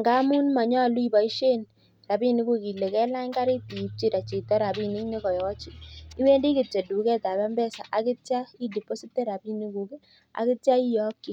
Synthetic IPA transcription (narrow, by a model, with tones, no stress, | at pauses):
ŋɡa˦mu˦nma˨ɲɔ˦˨lu˦i˨ba˨i˦ʃe˦n | ɾa˨bi˦ni˦ku˦ki˨le˨kɛ˦la˦ŋka˦ɾɪ˦ti˨i˨p̚t͡ʃi˦ɾa˨t͡ʃi˨tɛ˦ɾa˨bi˦˨nɪ˦kne˦kɔ˨jɔ˦t͡ʃɪ˦i˦we˦ndi˦kɪ˨t͡ʃe˨du˨kɛ˦ta˨ba˦mbɛ˦sa̰˨ʔa˨kɪ˦tja˦i˦di˨po˦si˦tɛ˦ɾa˨bi˦ni˦ku˨ki˦ | a̰˨kɪ˦tja˦i˦jɔ˦kːi˦